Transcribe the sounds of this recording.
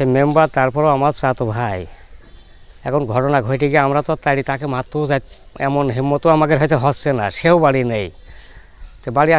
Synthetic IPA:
emembat̪aɾpɔɾoamaɾsat̪obʱaj | ɛkʰɔnɡʱɔʈɔnaɡʱɔjʈiɡɛamɾat̪ɔat̪ajɽit̪akemat̪ːozaj | ɛ̰mɔnɦimːɔt̪oamakeɾɦɔjt̪eɦɔssenasewbaɽinej | t̪ebaɽia

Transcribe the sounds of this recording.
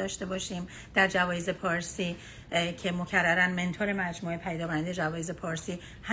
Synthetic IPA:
ɒːʃt̪e̞bɒːʃiːm | d̪̥æɾd͡ʒævɒːjeze̞pʰɒːɾsiː | cʰe̞mo̞cʰæɾːæɾænme̞nt̪ʰoːɾe̞mæd͡ʒmuːepʰæjd̪ɒːkʰonænd̪ejd͡ʒævɒːjeze̞pʰɒːɾsiː | hæ

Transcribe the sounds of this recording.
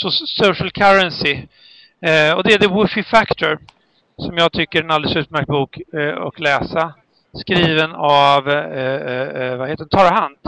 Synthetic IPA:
sɔsuʂəlkʰaɾɛnsɪ | ɔd̪ɛɛɖ̪ɛwɵfɪfækt̪ʰɔɾ | sɔmjɑːɡ̚t̪ʰʏkːəɾɛnald̪əsʉ̟ːp̪mæɾk̚t̪̚buːkɔ̰klɛːsa | skɾiːvənav | vaheːt̪ədɛnt̪ʰɑːɾahɦand̪

